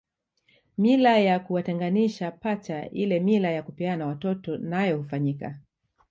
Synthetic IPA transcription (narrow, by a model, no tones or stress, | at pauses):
milajakuwatɛŋɡaniʃapat͡ʃaʔilɛmilajakupianawatɔtɔnajɔhufaɲika̰